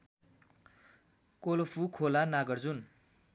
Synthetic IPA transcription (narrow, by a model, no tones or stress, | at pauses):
kolopʰukʰolanaɡʌrd͡zun